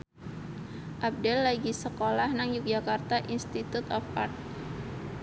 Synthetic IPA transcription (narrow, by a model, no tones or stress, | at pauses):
ʔab̚dɛlːaɡisəkolahnaŋjuk̚d͡ʒakart̪aʔinst̪it̪ut̪ɔfart̪̚